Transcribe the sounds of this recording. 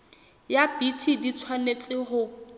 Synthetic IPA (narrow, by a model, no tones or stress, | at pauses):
japitʰidit͡sʰwanet͡sʼɪɦʊ